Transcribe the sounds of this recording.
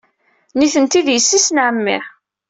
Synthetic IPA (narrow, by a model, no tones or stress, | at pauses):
niθənt̪iðjəsːisənʕəmːḭ